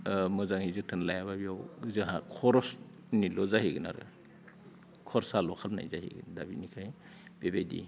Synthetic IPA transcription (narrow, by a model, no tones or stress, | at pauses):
mɔzaŋhizɯtʰɯnlajaβabiawzɯɦakʰɔɾɔs | nilɔzaɦiɡɯna̰ɾɯ̰ | kʰɔɾsalɔkʰalna̰jzaɦḭɡɯ̰ndabinikʰaj | b̥ebajdḭ